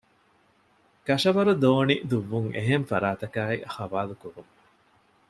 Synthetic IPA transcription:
kɐʂɐʋɐɾud̪oːnid̪uʋːuŋḛɦeɱfɐɾaːt̪ɐkaːixɐʋaːlukuɾuŋ

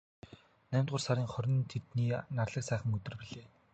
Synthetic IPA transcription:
næːmʲt̪ɢʊːrsaɾiːŋχɔɾʲɪ̆nt̪ʰet̪niːnarɮə̆ksæːχə̆ŋɵt̪ɵ̆rpiɮeː

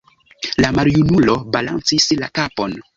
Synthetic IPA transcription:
lamaɾjunulo̞bala̰nt͡sislakapo̞n

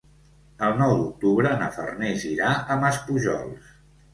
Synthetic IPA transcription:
əlˠnɔwd̪uk̚t̪uβɾənə̰fə̰rneziɾaəməspuʒɔ̰lˠs

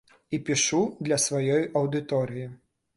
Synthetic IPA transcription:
ipʲiʂud̪lʲɐsvajɔjʔɐwd̪ɨt̪ɔɾɨji

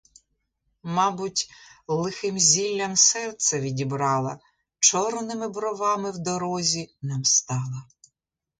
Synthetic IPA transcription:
mɑbʊtʲlˠɪxɪmzʲilʲːɐmsɛrt̪sɛʋʲidʲibɾɑlˠɐ | t͡ʃɔrnɪmɪbɾɔʋɑmɪwd̪ɔɾɔzʲinɑmst̪ɑlˠɐ

